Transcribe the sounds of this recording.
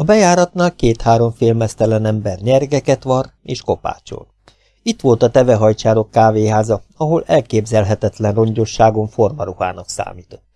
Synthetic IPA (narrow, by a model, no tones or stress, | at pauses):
ɒbɛjaːɾɒt̪naːlkeːt̪haːɾo̞ɱfeːlmɛst̪ɛlɛnɛmbɛrɲɛrɡɛkɛt̪ʋɒr | ḛːʃko̞pa̰ːt͡ʃo̰l | it̪ʋo̞lt̪ɒt̪ɛvɛɦɒjt͡ʃaːɾo̞kːaːveːɦaːzɒɒɦo̞lɛlkeːbzɛlɦɛt̪ɛt̪lɛnro̞ɲɟo̞ʃːaːɡo̞ɱfo̞rmɒɾuha̰ːnɒksa̰ːmiːt̪o̞t̪ː